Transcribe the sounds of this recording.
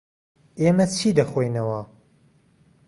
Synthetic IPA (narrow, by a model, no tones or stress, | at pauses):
emɐt͡ʃʰiːd̪ɐxojnɐwɐ